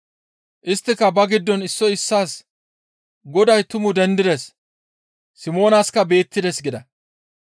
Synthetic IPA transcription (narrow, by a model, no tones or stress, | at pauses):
ʔɪst̪ːɪkːɐbɐɡɪd̪ːɔnɪsːɔɪsːaːs | ɡɔd̪ɐjt̪ʊmʊd̪ɛnd̪ɪd̪ɛs | sɪmo̞ːnaːskɐbe̞ːt̪ːɪd̪ɛsɡɪd̪ɐ